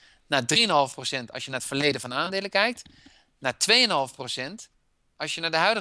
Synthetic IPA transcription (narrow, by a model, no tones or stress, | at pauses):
naːdriənɦɑlˠfprosɛntɑ̰sjənaːətfəɹlejdənvɔnaːndeːləkɛjk̚t | naːtʋejənɦɑlˠfprosɛnt | ɑsjənaːdəɦœɥdə